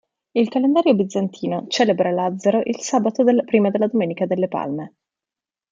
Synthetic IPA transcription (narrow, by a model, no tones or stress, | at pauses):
ilkalend̪aːɾjobid̪zːant̪ʰiːnot͡ʃɛːlebɾalad̪zːeɾoʔilsaːbat̪od̪elapɾiːmad̪elːad̪omeːnikad̪elːepa̰lme